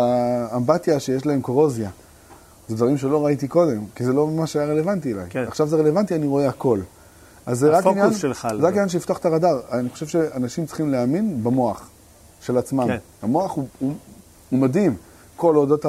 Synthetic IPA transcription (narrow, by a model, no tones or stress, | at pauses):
aːmbatjaʃejeʃlae̞mkoʁozja | zed̪vaʁimʃe̞lo̞ʁait̪̬iko̞de̞mkizelo̞mamaʃajaʁelevant̬iela̰jaχʃavzee̞le̞vant̪ianiʁo̞e̞ako̞l | ʔazːeʁakfinjanelazeʁakinjanʃ̬eift̪oaχt̪aʁadaʁaniχoʃe̞vʃe̞anaʃimt͡si̥χimleaminbemo̞aχ | ʃe̞lat͡smam | amo̞aχuu | umad̪im | ko̞lodota